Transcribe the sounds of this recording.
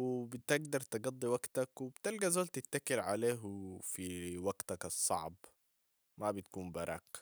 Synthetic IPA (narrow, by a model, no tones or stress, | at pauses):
wbɪt̪ɪɡd̪ɑɾˤt̪ɪɡɑd̪ˤːiwaɡt̪akwɪbt̪ɪlɡazoːlt̪ɪt̪ːakɪlʕa̰leːɦfiwaɡ̥t̪akɑsˤːɑ̰ʕb | mabɪt̪kuːmbɑɾˤɑ̰q